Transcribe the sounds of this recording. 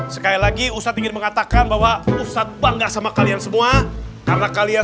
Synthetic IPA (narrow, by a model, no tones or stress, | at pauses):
sə̥kailaɡiusat̪iŋɪnməŋat̪akanbawausat̪̚baŋɡasamakaliaŋsəmuakaɾənakalia